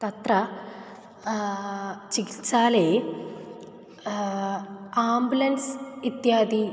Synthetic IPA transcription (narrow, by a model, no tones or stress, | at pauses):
t̪ɐt̪rɐ | t͡ɕikit̪saːle | aːmbulɐnsit̪jaːd̪i